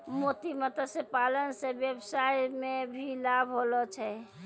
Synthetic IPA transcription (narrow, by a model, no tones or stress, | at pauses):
mot̪imət̪əsepalənsẽbjəbsajmebʱilabʱɦolɔt͡ʃʰɛ